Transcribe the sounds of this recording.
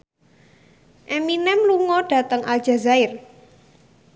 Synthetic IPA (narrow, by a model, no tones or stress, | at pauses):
ʔɛminɛmluŋɔɖ̥ä̤t̪əŋʔalʒ̥a̤zaɪr